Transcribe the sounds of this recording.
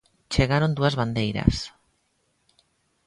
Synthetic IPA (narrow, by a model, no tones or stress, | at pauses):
t͡ʃeɣaɾond̪uazβand̪ejɾa̰s